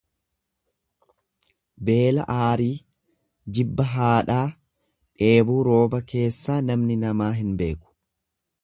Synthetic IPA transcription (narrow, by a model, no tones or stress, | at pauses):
be̞ːlɐ̰ʔaːɾiː | d͡ʒɪbːɐɦaːᶑaː | ᶑe̞ːbuːɾo̞ːbɐke̞ːsːaːnɐmnɪnɐmaːɦɪnbe̞̰ːkʊ̥